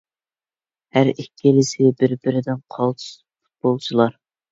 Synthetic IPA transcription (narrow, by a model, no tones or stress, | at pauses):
hæɾikʲʰːilɪsɪbɪɾbɪɾɪd̪ɪnqʰɑlˠt̪ʰu̥s | pʰu̥t̪̚bolˠt͡ʃʰilˠɑɾ